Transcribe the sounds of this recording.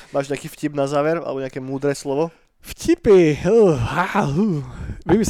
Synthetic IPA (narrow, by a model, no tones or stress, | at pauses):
maːʒɲɛakiːfcibnazaːʋɛɾa̰lɛ̰bɔɲɛakɛmuːd̪ɾɛslɔʋɔ | fcipihauʋimis